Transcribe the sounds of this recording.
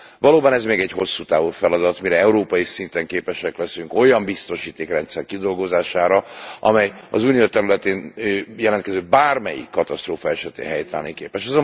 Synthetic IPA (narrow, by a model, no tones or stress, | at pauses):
vɒloːbɒnɛzmeːɡɛɟho̞sːuːt̪aːvufɛlɒd̪ɒt̪miɾɛɛuɾoːpɒjisint̪ɛŋkeːpɛʃɛklɛsyŋko̞jɒmbist̪o̞ʃiːt̪eːkrɛnt̪sɛrkid̪o̞lɡo̞zaːʃaːɾɒʔɒmɛjɒ̰zunijot̪ɛɾylɛt̪eːnjɛlɛnt̪kɛzøːbaːrmɛjḭkːɒt̪ɒst̪ɾoːfɒɛʃɛt̪ḛːɦɛjt̪a̰ːnikeːpɛʃɒzo